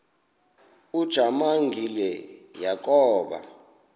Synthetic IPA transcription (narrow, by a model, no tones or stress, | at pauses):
ud̥ʒ̥ʱamaŋɡʱilɛjak̬ʼɔːɓa̰